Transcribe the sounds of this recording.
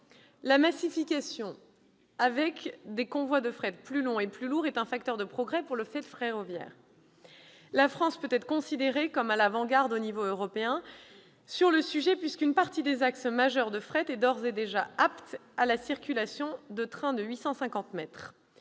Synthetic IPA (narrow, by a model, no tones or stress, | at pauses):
lamasifikʲasjɔ̃ | avɛkd̪ekɔ̃vwad̪əfχɛt̪̚plylɔ̃eplyluʁɛt̪ɛ̃fak̚t̪œʁd̪əpχɔɡʁɛpuʁləfɛt̪fχeʁɔvjɛ̰ːʁ | lafχɑ̃spøt̪ɛt̪χəkɔ̃sid̪eʁekɔmalavɑ̃ɡaʁd̪onivoøʁɔpeɛ̃ | syʁləsyʒɛpɥiskynpaʁt̪id̪ezaksmaʒœʁd̪əfχɛt̪ɛd̪ɔʁzed̪eʒaapt̪alasiʁkʲylasjɔ̃d̪ət̪χɛ̃d̪əɥisɑ̃sɛ̃kɑ̃t̪mɛt̪χ